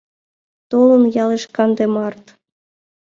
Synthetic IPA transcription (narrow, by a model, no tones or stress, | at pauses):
t̪olənjɑleʃkɑnd̪emɑrt̪